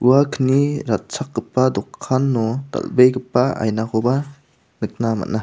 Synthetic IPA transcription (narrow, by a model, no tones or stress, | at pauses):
uwakʰəniɾat̚sak̚ɡɯpːadɔkʰːanːɔt̪a̰lbejkɯpːaa̰jnakʰoba | nɯk̚nama̰tna